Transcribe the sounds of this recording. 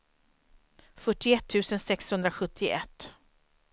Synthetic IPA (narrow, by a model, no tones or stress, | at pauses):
fœʈːɪɛt̪ʰːʉ̟ːsənsɛkshɵnd̪ɾaɧɵt̪ʰːɪʔɛt̪ː